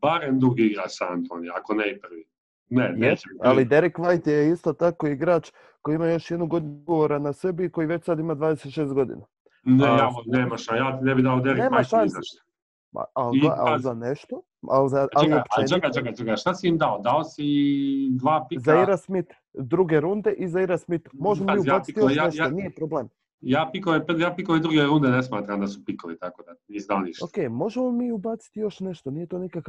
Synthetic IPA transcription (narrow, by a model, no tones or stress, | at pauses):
baɾemd̪ɾuɡiiɡɾat͡ʃsaa̰nt̪ʰo̰njakoneipr̩ʋi | nenjeːt͡ʃealid̪e̞ɾikʋajt̪jeist̪o̞t̪ako̞iɡɾaːt͡ʃ | ko̞jimajo̞ʃjed̪nuɡo̞d̪nɡoʋoɾanase̞biːko̞jiʋe̞t͡ʃsad̪imad̪ʋaːd̪eset̪ʃe̞ːst̪ɡo̞d̪ḭna | neaneːmaʃajaːt̪inebid̪aod̪eɾkneːmaʃaizaʃt̪ | a̰aloa̰lzaneʃt̪o̞ | a̰lzaaeiopaet͡ʃeɡat͡ʃaɡat͡ʃeɡaʃt̪asiimd̪aod̪aosid̪ʋaːpizaiɾasmit̪ | d̪ɾuɡe̞ɾund̪eʔizaiɾasmit̪mo̞ʒemoiujaiit̪jojaeonijepɾobleːm | jaːpikoʋepjaːpikoʋed̪ɾuɡeɾund̪enesmaːt̪ɾamd̪asupikoʋit̪akod̪aizd̪alnḭʃokeːjmo̞ʒemomiːubat̪si̥t̪ijo̞ʃne̞ʃt̪onijet̪oːnikaka